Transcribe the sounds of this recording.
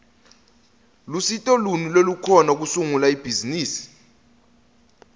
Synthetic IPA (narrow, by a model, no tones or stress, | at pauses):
lusitʼɔlunulolukʰɔnak̬usuŋulaib̥ʱiziniːsi̥